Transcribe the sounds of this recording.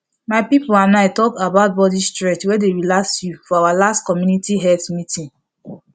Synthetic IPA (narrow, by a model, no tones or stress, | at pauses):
maɪpipoanaɪtɔkabaʊt̚bɔdistɹɛtwɛdeɹilaksjufɔawalastkɔmjunitiɦɛtmitĩn